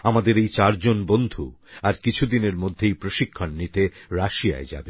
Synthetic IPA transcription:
amad̪eɾejt͡ɕaɾd͡ʑonbond̪ʱuaɾkit͡ɕʰud̪ineɾmod̪ʱːejpɾoʃikʰːonːit̪eɾaʃija̰ed͡ʑa̰be

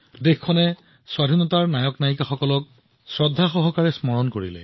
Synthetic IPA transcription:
dexkʰːɔnɛ | swadʱinɔtaɹnajɔknajkaxɔkɔlɔk̚ | sɹɔdʱːaxɔɦɔkaɹɛsmɔɹɔnkoɹḭlɛ̰

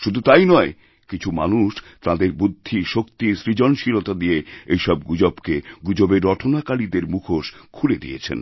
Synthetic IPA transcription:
ʃud̪ʱut̪ajnɔe | kit͡ɕʰuma̰nuʃ | t̪ad̪eɾbud̪ʱːiʃokt̪isɾid͡ʑɔnʃiɾot̪ad̪ijeejʃɔb̚ɡud͡ʑobkeɡud͡ʑobeɾːɔʈʰonakaɽid̪eɾmukʰoʃkʰuled̪ḭjḛt͡ɕʰḛn

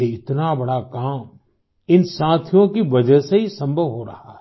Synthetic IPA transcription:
eɪt̪nabɐɽakaːm | ɪnsãːt̪ʰijõkibɐd͡ʒəseɦisɐ̃mbʱəʋɦoɾɐ̰ɦa̰

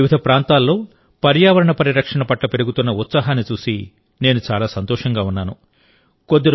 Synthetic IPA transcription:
ʋid̪ʱɐpɾaːnt̪aːlːo̞ː | pɐɾjaːʋɐɾɐɳɐpɐɾiɾɐkʂɐɳɐpɐʈlɐpeɾuɡut̪unːɐut̪saːɦaːnːit͡ʃuːsi | ne̞ːnut͡ʃaːlaːsɐnt̪ɔːʂɐŋɡaːunːaːnu | kod̪ːɐɾ

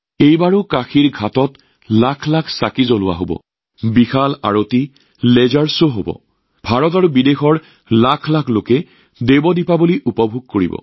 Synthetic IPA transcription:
ejbaɹʊkaxiɹɡʱatɔt | lakʰlakʰsakizolʊwa̰ɦobɔ̰ | bixala̰ɹoti | lɛzaɹsoɦobɔ̰ | bʱaɹɔtaɹubidexɔɹ | lakʰlakʰlokɛ | debɔdipabuliʔupɔbʱuɡ̚koɹḭbɔ̰

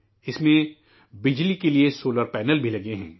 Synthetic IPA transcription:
ɪsmẽ | bɪd͡ʒlikeliesoːləɾpɛːnəlbʱilɐɡeɦɛ̰̃ː

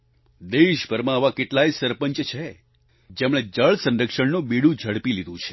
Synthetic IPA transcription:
d̪eʃbʱəɾmãəʋãkeʈlaisəɾpəɲt͡ʃt͡ʃʰe | d͡ʒemɭ̃ed͡ʒəɭsə̃nɾəkʃəɳnõbiɽũd͡ʒʱəɽpilid̪ʱũt͡ʃʰe̥

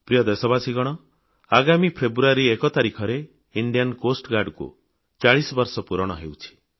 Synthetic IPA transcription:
pɾijɔd̪esɔbasiɡɔɽ̃ɔ | aɡamipʰebuaɾiekɔt̪aɾikʰɔɾe | iɳɖijankosʈɡaɖkṵ | t͡ʃaɭisɔbɔɾsɔpuɾɔɽ̃ɔ̰ɦewt͡ʃʰi̥

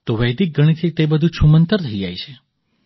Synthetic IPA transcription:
t̪oʋəjd̪ik̚ɡəɽ̃it̪ʰit̪ebəd̪ʱũt͡ʃʰumənt̪əɾt̪ʰəjd͡ʒa̰jt͡ʃʰe

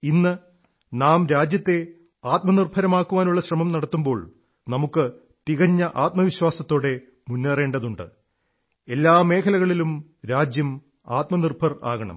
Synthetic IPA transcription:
inːɨ | naːmɾaːd͡ʑjɐt̪ːe̞ | aːt̪̚mɐnirbʰʱɐɾɐmaːkːuʋaːnuɭːɐɕrɐmɐmnɐɽɐt̪ːumbo̞ːɭ | nɐmukːɨ | t̪iɣɐɲːɐʔaːt̪̚mɐʋiɕwaːsɐt̪ːo̞ːɽe̞ | munːere̞ːɳɖɐðuɳɖɨ̰ | e̞lːaːme̞ːkʰɐlɐɣɐɭilumɾaːd͡ʑjɐm | aːt̪mɐnirbʰʱɐra̰ːɣɐɳɐ̰m

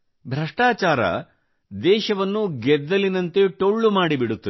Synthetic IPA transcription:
bʱɾɐʂʈaːt͡ʃaːɾɐ̰ | d̪ɛːʃɐʋɐnːuɡɛd̪ːɐlinɐnt̪eʈoɭːumaːɽibiɽut̪ːɐ

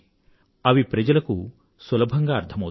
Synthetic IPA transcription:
ɐʋipɾɐd͡ʒɐlɐku | sʋɐlɐbʱɐŋɡaːɐɾt̪ʰɐmɐw

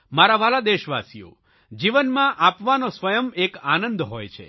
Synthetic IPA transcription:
maɾaʋalad̪eʃʋasijo̰ | d͡ʒiʋənmãʔapʋanosʋəjəmekanə̃nd̪ɦojt͡ʃʰḛ

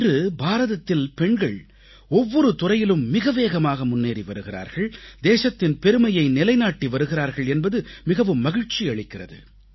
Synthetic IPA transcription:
rɯbaːɾɐðɐt̪ːɪlpɛɳɡɐɭ | ɔʋːɔɾɯt̪ʊrɐjɪlɯmːɪɣɐʋeːɣɐmaːɣɐmʊnːeːɾiʋɐɾɯɣɪra̰ːɾɣɐɭd̪eːʂɐt̪ːɪnpɛɾɯmɐjɐɪnɪlɐɪnaːʈːiʋɐɾɯɣɪɾaːɾɣɐɭɛnbɐðɯmɪɣɐʋɯmːɐɣɪɻt͡ʃiɐɭɪkːɪrɐ̰ðɯ̰

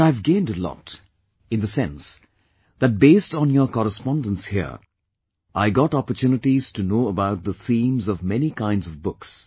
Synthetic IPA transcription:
aɪvɡẽɪ̃ndəlɔ̰t | ɨ̃nðɨsɛ̃ns | ðɨt̚beɪstn̩jə˞kɔɾəspɑ̃ndə̃nshḭɹ | ʔaɪɡɑɾɑpə˞tʰjʉnɨʈiz̥tʰɨnoʊəbaʊt̪̚ðəθĩmzʌvmɛnikʰãɪ̃ndzʌvbʊks

